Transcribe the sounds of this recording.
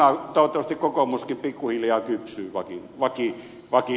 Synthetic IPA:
ɑt̪oˑot̪ːɑʋɑst̪ikkokomuskimpikːuhiljɑːkypsyːʋɑkinʋɑki | ʋɑki

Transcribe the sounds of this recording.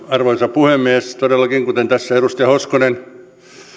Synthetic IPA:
ɑrʋoisɑpuhemːiest̪odelːɑkiŋkut̪ent̪æsːæeɾust̪iɑhoskonen

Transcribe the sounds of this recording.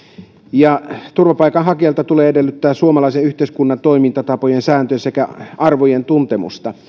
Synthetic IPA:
jɑt̪urʋɑpɑikɑnɦɑkiɑlt̪ɑt̪uleːedelːyt̪ːæːssuomɑlɑiseyht̪eiskunːɑnt̪oimint̪ɑt̪ɑpojensæːnt̪øsekæʔɑrʋojent̪unt̪emṵst̪ɑ

